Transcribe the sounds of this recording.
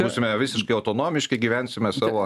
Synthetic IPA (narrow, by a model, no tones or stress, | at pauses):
uːsʲɪmʲɛʋʲɪsʲɪʃkɐɪɐʊt̪oːnoːmʲɪʃʲkɐɪɡʲiːʋʲænʲsʲɪmʲɛsɑːʋoː